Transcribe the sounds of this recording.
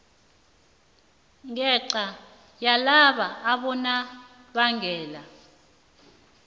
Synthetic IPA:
ŋɛǃa | jalaɓaːɓɔna | ɓaŋɛːla

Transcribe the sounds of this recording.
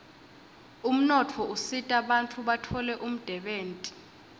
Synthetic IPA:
um̩nɔtʰɔusitʼaɓantʰʼuɓatʰɔlɛʔum̩d̥ʱɛɓeːntʼi̥

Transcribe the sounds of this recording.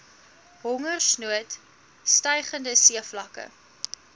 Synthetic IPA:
ɦɔŋərsnuət | stɐjχəndəsiəflɐkə̰

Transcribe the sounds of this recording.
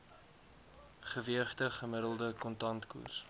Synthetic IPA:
χəviəχtəχəməɾəlˠdəkɔntɐntkṵrs

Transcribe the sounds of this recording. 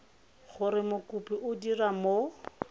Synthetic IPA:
χʊɾɪmʊkupiʔʊdiramo

